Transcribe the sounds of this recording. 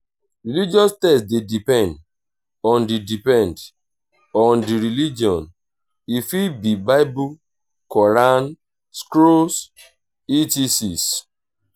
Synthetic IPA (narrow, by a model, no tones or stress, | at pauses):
ɾilid͡ʒiɔstɛsdedipɛ̃nd | ɔ̃ndidipɛ̃nd | ɔ̃ndiɾilid͡ʒiɔ̃n | ifibibaɪbu | kɔɾan | skɾos | itisis